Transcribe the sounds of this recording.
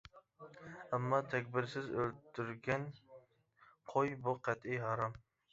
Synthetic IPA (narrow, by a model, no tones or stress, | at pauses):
amːɒt̪ʰakʲbɪɾsɪzɵlt̪ʰʊɾɡʲan | qʰojbʊqʰɑt̪ɪhɑɾɒm